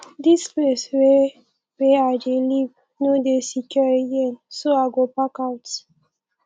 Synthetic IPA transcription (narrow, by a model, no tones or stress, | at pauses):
displeswe | weadeliv | nodesikjɔɹijɛ̃nsoaɡopakawt